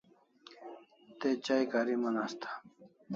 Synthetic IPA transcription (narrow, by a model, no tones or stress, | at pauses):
t̪et͡ɕaːjkaːɾimɐnaːst̪ʰḁ